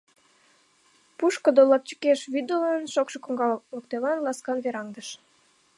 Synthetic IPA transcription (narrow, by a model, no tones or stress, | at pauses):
puʃkə̆d̪olɑp̚t͡ɕə̥keʃβyd̪olɑnʃokʃɤkoŋɡɑləkt̪eβɑnlɑskɑnβeɾɑŋd̪əʃ